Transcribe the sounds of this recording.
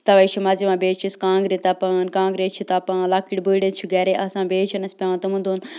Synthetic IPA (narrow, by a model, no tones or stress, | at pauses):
t̪ɐʋɐit͡ʃʰimaːzimãːbeːt͡ʃʰiskãːŋɡɾet̪ɐpɐnkãːŋɡɾeːt͡ʃʰit̪ɐpãːlaːkiʈbɨːɖɐt͡ʃʰiɡɐɾeːʔɐsãːbeːt͡ʃʰinɐspʲɐʋãːt̪ɐmũnd̪uːn